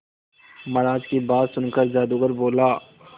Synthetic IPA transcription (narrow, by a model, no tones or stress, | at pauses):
mɐɾaːd͡ʒkibaːt̪sʊnkəɾd͡ʒaːd̪uɡəɾboːlaː